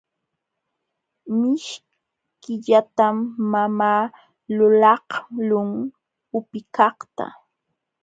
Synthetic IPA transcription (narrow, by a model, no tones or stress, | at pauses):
mɪʃ | kɪʎat̪amːamaː | lʊlɑhlʊŋ | ʊpɪkɑχt̪a̰